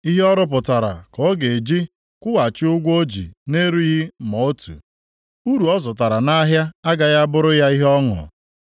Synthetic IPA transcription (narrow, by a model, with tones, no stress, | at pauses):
i˦ɦe˦ɔ˦ɾʊ˦p̬ʊ˨ta˨ɾa̰˨kɔ˦ɡe˨d͡ʒi˦ | kʷʊ˦wa˨t͡ʃɪ˦ʊ˦ɡʷo˦d͡ʒḭ˨ne˦ɾu˦ji˦mɔ˨o˦tṵ˨ | u˦ɾu˨ɔ˦zɔ˨ta˨ɾa˨na˦ɦja˦a˦ɡa˨ja˦a˦bʊ˦ɾʊ˦ja˦i˦ɦɔ˦ŋʊ̰˨